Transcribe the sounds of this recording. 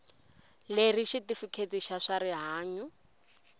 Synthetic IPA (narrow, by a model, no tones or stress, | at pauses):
leriʃitifukʰet͡siʃaʂaɾiɦaːɲu